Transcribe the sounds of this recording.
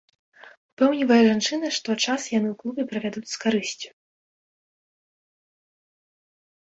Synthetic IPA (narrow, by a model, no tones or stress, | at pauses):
upɛwnʲivɐjɐʐant͡ʂɨnɐʂt̪ɔt͡ʂasjanɨuklˠubʲɛpɾɐvʲad̪ut͡sʲskaɾɨsʲt͡sʲu̥